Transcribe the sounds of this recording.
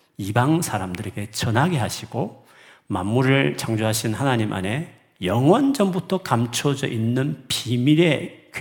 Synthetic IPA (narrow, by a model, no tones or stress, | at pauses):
ibaŋsʰaɾamdɯɾe̞ɡe̞t͡ɕʌnɦaɡeɦaɕʰiɡo | ma̰nːuɾɯɭt͡ɕaŋd͡ʑoɦaɕʰinhanaɲimʔa̰ne̞ | jʌŋwʌnd͡ʑʌmbutʰʌkamt͡ɕʰod͡ʑʌʔinːɯnpimiɾe̞k